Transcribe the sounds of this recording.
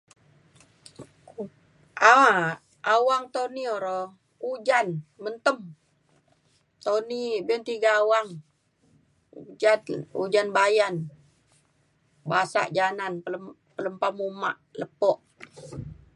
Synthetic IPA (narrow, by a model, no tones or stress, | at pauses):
ʔaa | awaŋt̪onioɾɔ | ud͡ʒanmənt̪əm | t̪onibɛnt̪iɡaːwaŋ | ud͡ʒanṵd͡ʒanbajan | basa̰ʔd͡ʒananə | pələmpamumaʔləpɔʔ